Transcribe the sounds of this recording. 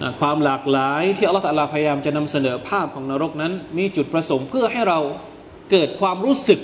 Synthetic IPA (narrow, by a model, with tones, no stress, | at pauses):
ʔa˧˩kʰwaː˧mlaː˨˩k̚laː˩˦jt̪ʰiː˥˩a˧lːt̪ʰa˧laː˧˥pʰa˧ja˧jaː˧mt͡ɕa˨˩na˧msa˧nɤː˩˦pʰaː˥˩p̚kʰɔː˩˦ŋnaː˧ɾo˦˥˩k̚na˦˥nmiː˧t͡ɕu˨˩t̪̚pɾa˧so˩˦ŋpʰɯ˥˩ɐɦa˥˩jɾa˧w | kɤː˨˩t̪̚kʰwaː˧mɾuː˦˥sɯ˨˩k̚